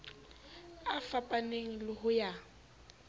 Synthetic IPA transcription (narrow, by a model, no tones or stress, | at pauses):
afapʼaneŋ̩lɪhʊja